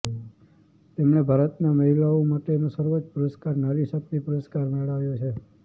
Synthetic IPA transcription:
t̪emɳebʱaɾət̪naməɦilaomaʈenosəɾʋot͡ʃpʊɾəskaɾnaɾisək̚t̪ipʊɾəskaɾmeɭaʋjot͡ʃʰe

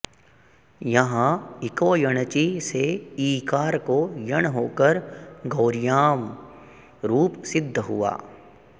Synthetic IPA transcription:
jɐɦãɪkoːjɐɽ̃t͡ʃiseiːkaːɾkojəɳ̃ɦoːkəɾɡɐːɾɪjaːm | ɾuːpsɪd̪ʱːɦʊ̰a̰ː

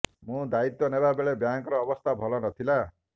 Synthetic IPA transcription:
mũd̪ait̪jɔnebabeɭebjaŋkɔɾɔːbɔst̪ʰabʱɔlɔnɔt̪ʰila

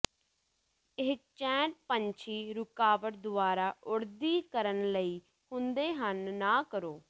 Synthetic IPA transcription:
ɪk̚t͡ʃɛ̃ːʈ̚pəɲt͡ʃʰiːɾʊkaːʋəɾd̪ʊaːɾaːʔʊɽd̪iːkəɾənləiː | hʊnd̪eːɦənːaːkəɾoː

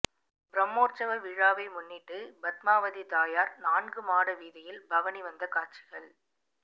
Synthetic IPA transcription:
bɾɐmːoːɾt͡ʃɐʋɐɾʋiːɻaːʋɐɪmʊnːɪʈːɯbɐt̪maːʋɐðit̪aːjaːɾnaːnɡɯmaːɽɐʋiːðɐjɪlbɐʋɐniʋɐnd̪ɐkaːʈt͡ʃɪɣɐɭ

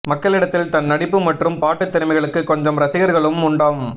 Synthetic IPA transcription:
mɐkːɐɭɪɽɐt̪ːɪlt̪ɐnːɐɽɪpːɯmɐʈrɯmpaːʈːɯt̪ːɪɾɯmɐɪɣɐɭɯkːɯkːɔɲd͡ʒɐmɾɐsɪɣɐɾɣɐɭɯmʊɳɖaːm

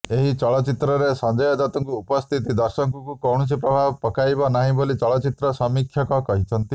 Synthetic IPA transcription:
eɦit͡ʃɔɭɔt͡ʃit̪ɾɔɾesɔnd͡ʒɔjɔd̪ɔt̪ɔŋkuupɔst̪ʰit̪̬id̪ɔɾsɔŋkukukɔw̃ɔs̬ipɾɔbʱabpɔkajbɔnaɦĩbolit͡ʃɔɭɔt͡ʃit̪ɾɔsɔmikʰːjɔkɔkɔɦit͡ʃʰɔnt̪i

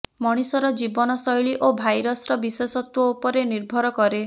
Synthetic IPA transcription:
mɔɽ̃isɔɾɔd͡ʒibɔnɔsɔjɭiʔobʱajɾɔsɾɔbisesɔt̪wɔupɔɾeniɾbʱɔɾɔkɔɾe

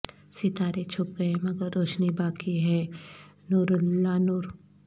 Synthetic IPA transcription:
sit̪aːɾet͡ʃʰʊp̚ɡɐemɐɡəɾːoːʃnibaːkiɦɛː | nuɾʊlːanuːɾ

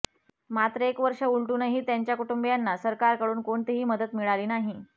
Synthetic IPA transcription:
mat̪ɾəekʋəɾʂəuɭʈuːnəɦiːt̪jaɲt͡ɕjakuʈumbjanːasəɾkaɾkəɽuːnkoɳt̪iɦiːməd̪ət̪miɭaɾiːnaɦi

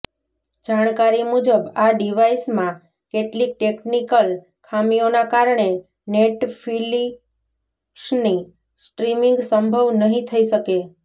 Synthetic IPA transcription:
d͡ʒaɽ̃kaɾimud͡ʒəbaɖiʋaismã | keʈlik̚ʈeknikəl | kʰamionakaɾɳe | neʈfʰili | ʃni | sʈɾimiŋɡsəmbʱəʋnəɦĩt̪ʰəiʃəke

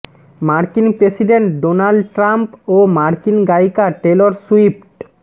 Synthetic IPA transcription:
maɾkinpɾesiɖeɳʈɖonalɖʈɾampomaɾkinɡajkaʈeloɾsuipʈ

